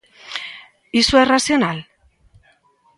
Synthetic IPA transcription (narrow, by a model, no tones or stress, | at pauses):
isuerasio̞nal